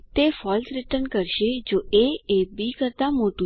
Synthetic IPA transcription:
t̪efɔlsɾɪʈəɾnkəɾʃed͡ʒoeebikəɾt̪amoʈũ

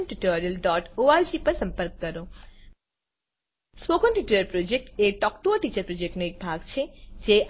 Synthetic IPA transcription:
nʈiʈoɾiəlɖɔʈoaɾd͡ʒipəɾsə̃mpəɾkːəɾo | smokənʈiʈuləɾpɾod͡ʒek̚ʈeʈɔkʈoaʈit͡ʃəɾpɾod͡ʒek̚ʈnoek̚bʱaɡt͡ʃʰed͡ʒeʔ

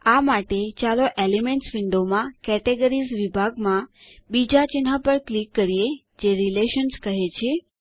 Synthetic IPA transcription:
amaʈet͡ʃaloʔelimeɳʈsʋɪɳɖomãkɛʈeɡəɾizʋibʱaɡmãbid͡ʒat͡ʃɪnɦapəɾklikːəɾie | d͡ʒeɾileʃənskəɦet͡ʃʰe

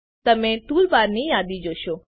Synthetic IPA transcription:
t̪ɐmẽt̪uːlbaːɾnĩjaːd̪id͡ʒoːʃoː

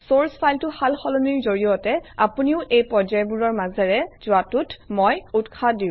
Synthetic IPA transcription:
soɹspʰajltʊhalxɔlɔniɹzoɹijɔtɛapuniʊʔejpɔzɔjbuɹɔɹmazɛɹɛz̥ʊatutmojutkʰadĩ

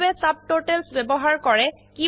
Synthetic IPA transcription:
bɛsab̚toʈɛlsbɛbɔɦaɹkɔɹɛ | ki

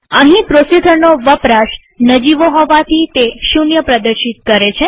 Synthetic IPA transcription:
əɦĩpɾosid̪ʱənːoʋəpɾaʃ | nəd͡ʒiʋoɦɔʋat̪ʰit̪eʃunjəpɾəd̪əɾʃit̪̚kəɾet͡ʃʰe

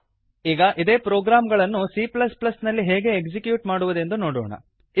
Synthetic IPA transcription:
iːɡɐʔid̪e̞ːpɾoːɡɾaːmɡɐɭɐnːusiplɐsplɐsnɐlːiɦeːɡe̞ːkd͡ʒikjuːʈmaːɽuʋud̪e̞nd̪unoːɽɔ̰ːɳɐ̰

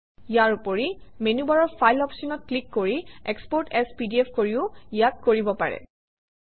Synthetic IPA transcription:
ijaɹupoɹimenubaɹɔɹpʰajlɔpsinɔt̚klikːoɹiɛkspɔɹtɛspidiɛfʰkoɹiʊjat̚koɹibɔpaɹɛ̰

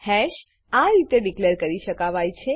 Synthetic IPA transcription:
hɛʃ | aɾit̪eɖikleɾkəɾiʃəkaʋajt͡ʃʰe

